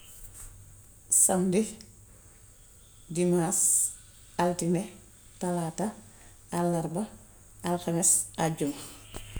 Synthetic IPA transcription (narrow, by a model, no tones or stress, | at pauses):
samdi | dimas | altine | talataː | lːaɾbɐ | alxamesaɟum